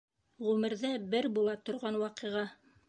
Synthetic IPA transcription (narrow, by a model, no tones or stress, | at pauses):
ʁʉmɘ̆ɾðæbɘɾbulˠɑt̪ŏɾʁɑnwɑqɤ̆ʁɑ